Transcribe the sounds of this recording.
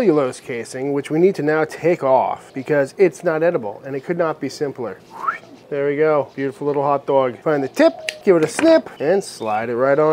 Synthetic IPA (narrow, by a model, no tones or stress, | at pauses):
jɨloʊz̥kʰeɪsɪ̃ŋwɨt͡ʃwinid̚tʰɨnaʊtʰeɪkɔ̰fb̥ɨkʰʌzɪtsnəɾɛɾəbl̩ˠɨ̃nɨt̚kʰɨdⁿnət̚b̥isɪ̃mpl̩ˠə̰˞ðə˞wiɡoʊb̥jʉɾəfl̩ˠlɪɾl̩ˠhɑt̚d̥ɔɡfãɪ̃nðɨtʰɪp̚ɡ̥ɪvɨɾɨsnɪpɨ̃nsla̰ɪɾɨt̚ɹaɪɾ